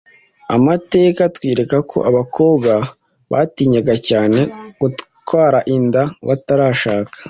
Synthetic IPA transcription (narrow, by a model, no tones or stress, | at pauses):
a̰mate̞ːkatwiːɾe̞kakʰo̞̰ʔaβakʰo̞ːbɡa | βa̰ːtiːɲaɡacaːne̞ɡ̥ut | kwaːɾaʔindaβataɾaːʃaːkḁ